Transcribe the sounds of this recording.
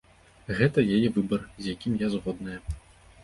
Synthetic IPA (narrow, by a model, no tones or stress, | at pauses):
ɣɛt̪ɐjajɛvɨbɐrzʲjakʲimjazɣɔd̪̚nɐjɛ